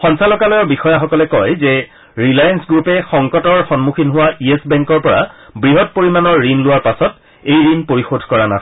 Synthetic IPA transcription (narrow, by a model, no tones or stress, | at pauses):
xɔnsalɔkalɔjɔɹbixɔjaxɔkɔlɛkɔjzɛ | ɹilajansɡɹupɛxɔŋkɔtɔɹxɔnmukʰinɦʊwaʔiesbɛŋkɔɹpɔɹa̰bɹiɦɔt̚poɹimanɔɹːinlʊwaɹpasɔt | ejɹinpoɹixodʱkɔɹana